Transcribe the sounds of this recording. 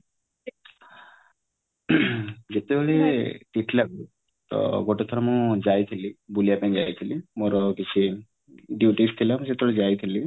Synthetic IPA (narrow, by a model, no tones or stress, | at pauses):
d͡ʒet̪ebeɭeʈiʈlaɡu | t̪ɔ̰ɡoʈet̪ʰɔɾɔmũd͡ʒajt̪ʰilibulijapɛ̃ŋd͡ʒajt̪ʰilimoɾɔkit͡ʃʰi | ɖjuʈist̪ʰilamũd͡ʒet̪ebeɭed͡ʒajt̪ʰili